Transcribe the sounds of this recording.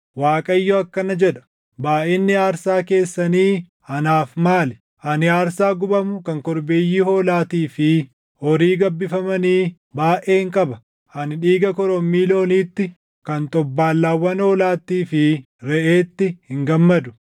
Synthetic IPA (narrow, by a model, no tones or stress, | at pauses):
waːkʼɐjːɔɐkːɐnɐd͡ʒɛᶑɐ̥ | baːʔɪnːɪaːɾsaːke̞ːsːɐniː | ɐnaːfmaːlɛ | ʔɐnɪaːɾsaːɡʊbɐmʊkɐŋkɔɾbeːjːiːhoːlaːt̪iːfɪ | ɔɾiːɡɐbːɪfɐmɐniː | baːʔeːŋkʼɐbɐ | ʔɐnɪᶑiːɡɐkɔɾɔmːiːlo̞ːniːt̪ːɪ | kɐnt̪ʼɔbːaːlːaːwːɐnhoːlaːt̪ːiːfɪ | ɾɛʔe̞ːt̪ːɪhɪŋɡɐmːɐd̪ʊ̥